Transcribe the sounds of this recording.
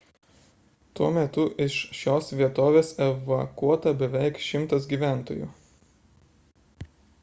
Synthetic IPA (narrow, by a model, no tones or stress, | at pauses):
t̪uɔmʲɛt̪ʊʔɪʃʃʲoːsʋʲiɛt̪oːʋʲeːsɛʋɐkuɔt̪ɐbʲɛʋʲɛɪkʃʲɪmt̪ɐsɡʲiːʋʲæˑnt̪o̰ːjṵː